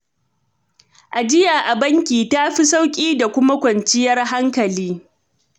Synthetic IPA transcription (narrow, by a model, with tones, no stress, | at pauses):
ʔa˨d͡ʒɪ˦jaː˨ʔa˨bɐ˦ŋkʲiː˨ta˦ɸi˦sa˦wkʲʼiː˦da˨kʷʊ˦ma˦kʷɐ˨nt͡ʃɪ˦jɐ˦rɦa˦ŋkɐ˨liː˦